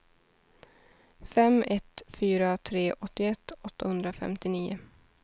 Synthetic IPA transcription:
fɛmɛt̪fyːɾat̪ʰɾeːʔɔt̪ːɪɛt̪ːɔt̪ːahɵnd̪ɾafɛ̰mt̪ɪniːʊ

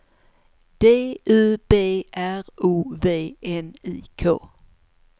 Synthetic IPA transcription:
d̪̥eːʔʉːb̥ḛːʔæʁuːʋeːɛnḭːkʰo̰ː

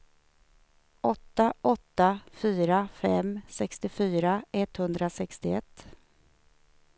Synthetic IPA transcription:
ʔɔt̪ːaʔɔt̪ːafyːɾafɛmsɛkst̪ɪfyːɾaɛt̪hɵnd̪ɾasɛkst̪ɪɛt̪ː

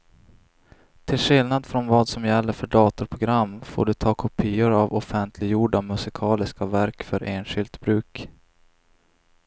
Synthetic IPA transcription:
t̪ʰɪlɧɪlnad̪fɾɔnvɑːd̪sɔmjɛlːəɾfœɖɑːt̪ʊɾpʰɾʊɡɾamːfo̰ːɖɵt̪ʰɑːkʰɔpʰiːʊɾavɔfɛnt̪ʰlɪɡjuːɖamɵsɪkʰɑːlɪskavæɾkfœɾʔeːnɧɪlt̪bɾʉ̟ːk

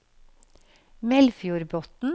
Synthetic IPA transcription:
mɛlfjuːɾbɔt̪n̩

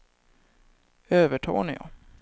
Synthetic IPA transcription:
øːvəʈʰɑ̰ːnɪjɑ̰

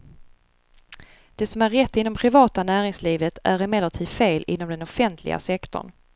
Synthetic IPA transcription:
d̪̥ɛsɔmæɾːɛt̪ːɪnːɔmpʰɾɪvɑːt̪anæːɾɪŋsliːvət̪ʰæɾɛmɛləʈʰiːdfeːlʔɪ̰nːɔmd̪ɛnɔfɛnt̪ʰlɪ̰ɡa̰sɛkt̪ʊ̰ɳ

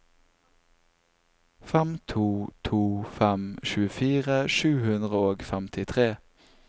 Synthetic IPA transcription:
fɛmt̪ʰuːt̪ʰuːfɛmʃʉːəfiːʁəʃʉːhʉnd̪ʁəoːɡfɛmt̪ʰɪt̪ʰʁeː

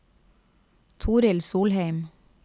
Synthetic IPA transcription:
t̪ʰuːɾɪlsuːlheɪm

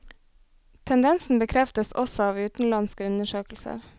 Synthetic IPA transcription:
t̪ʰɛnd̪ɛnsn̩bəkʰɾɛft̪əsɔsɔɑːʋʉːt̪n̩lɑnskəʉnəʃøːkl̩sə̰ɾ

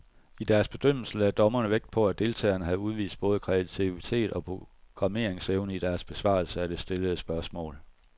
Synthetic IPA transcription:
id̥æɐsb̥e̝d̥øm̰l̩sl̩æd̥ɒ̽mɐnəʋeɡ̥̚d̥̚pʰɒ̽æd̥e̝lt͡sʰɛ̰ːɐnəɦæðˠuð̞ˠʋḭːsd̥̚b̥ɔ̽ːð̞ˠkʰʁɛæt͡sʰiit͡sʰe̝̰ːd̥ɒ̽pʰʁo̝ɡ̥ʁɑ̈me̝̰ɐ̰eŋseʊnəid̥æɐsb̥e̝sʋɑ̰̈ːlsəæd̥e̝sd̥e̝ləð̩ˠsb̥ɶɐsmɔ̰̽ːl

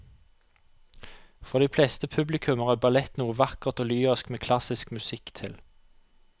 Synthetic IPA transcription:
fɔʁd̪iːflɛst̪əpʰʉblɪkʰʉməʁæbɑlɛt̪nuːəʋɑkəʁt̪oːlyːəskmeːkʰlɑsɪskmʉsɪkt̪ʰɪl

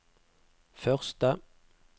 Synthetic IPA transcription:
fœʁst̪ə

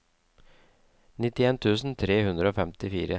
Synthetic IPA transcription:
nɪt̪ɪeːnt̪ʰʉːsn̩t̪ʰɾeːhʉnd̪ɾəoːfɛmt̪ɪfiːɾə

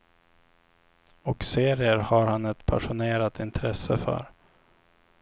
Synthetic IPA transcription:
ɔkseːɾɪəɾhaɾhanɛt̪pʰa̰ʂʊneːɾat̪ɪnt̪ʰɾɛsːəfœ̰ɾ

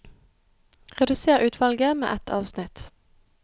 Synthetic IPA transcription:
ʁɛd̪ʉseːʁʉːt̪ʰʋɑlɡəmḛːʔɛt̪ʰɑːʋsnɪt̪

